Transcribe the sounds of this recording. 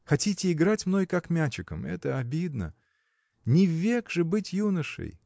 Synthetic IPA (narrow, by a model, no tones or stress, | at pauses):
xɐtʲitʲɪːɡɾatʲmno̞jkakmʲæt͡ɕɪkəmɛ̰t̪əɐbʲid̪nə̰ | nʲɪvʲːekʐɨbɨtʲjunəʂɨ̰j